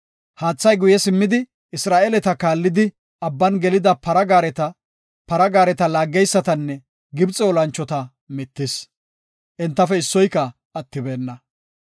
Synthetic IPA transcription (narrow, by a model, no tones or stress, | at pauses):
haːt͡sːɐjɡʊjɛsɪmːɪd̪ɪ | ʔɪsɾaːʔeːlɛt̪ɐkaːlːɪd̪ɪ | ʔɐbːɐnɡɛlɪd̪ɐpɐɾɐɡaɾɛt̪ɐ | pɐɾɐɡaːɾɛt̪ɐlaːɡːɛjsːɐt̪ɐnːɛ | ɡɪbt͡sʼɛːlɐnt͡ʃːɔt̪ɐ | mɪt̪ːɪs | ʔɛnt̪ːɐfɛɪsːɔjkːɐ | ɐt̪ːɪbeːnːɐ